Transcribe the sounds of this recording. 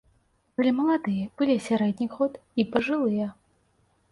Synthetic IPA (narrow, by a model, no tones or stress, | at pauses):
kɐlʲimɐlˠad̪ɨjɐb̥ɨlʲisʲaɾɛd̪ʲnʲixɔt̪ipɐʐɨlˠɨjɐ